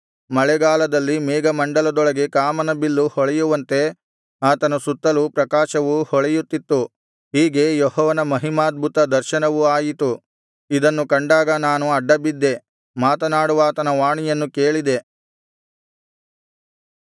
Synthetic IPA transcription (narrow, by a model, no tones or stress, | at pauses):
mɐɭɛɡaːlɐd̪ɐlːimɛːɡɐmɐɳɖɐlɐd̪ɔɭɐɡe̞kaːmɐnɐbilːuhɔɭɛjuʋɐnt̪e̞ | aːt̪ɐnɐsut̪ːɐlupɾɐkaːʃɐʋuhɔɭɛjut̪ːit̪ːu | ɦiːɡe̞jɔɦɔːʋɐnɐmɐɦimaːd̪̚bʱut̪ɐd̪ɐɾʃɐnɐʋuaːjit̪u | id̪ɐnːukɐɳɖaːɡɐnaːnuɐɖːɐbid̪ːe̞ | maːt̪ɐnaːɽuʋaːt̪ɐnɐʋaːɳijɐnːukeːɭid̪e̞